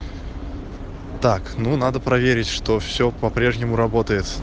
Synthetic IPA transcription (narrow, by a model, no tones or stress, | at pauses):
t̪aknunad̪əpɾɐvʲeɾʲɪtʲʂt̪ofsʲopɐpɾʲe̞ʐnʲɪmʊɾɐbo̞t̪əjɪt̪